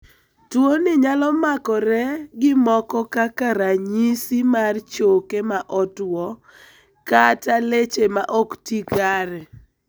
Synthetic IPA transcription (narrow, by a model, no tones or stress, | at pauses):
twonɪɲalɔmakɔɾɛɡɪmɔkɔkakaɾaɲisimart͡ʃokemaʔɔtwɔ | katalet͡ʃemaʔɔktikaɾɛ